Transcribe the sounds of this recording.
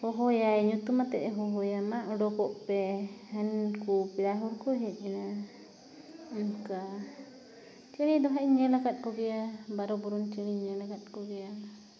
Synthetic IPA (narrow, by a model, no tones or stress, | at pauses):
hɔɦɔjaɛɲut̪umat̪ɛʔɛɦɔɦɔjamaʔɔɖɔkɔʔpɛhankupiɾaɦuɾkɔɦɛt̪̚ˀina | ŋka | t͡ʃiɽ̃id̪ɔɦaiɲɛlakat̪̚ˀkɔɡɛjabaɾɔbɔɾunt͡ʃiɽ̃iɲɛlakat̪̚kɔɡɛjana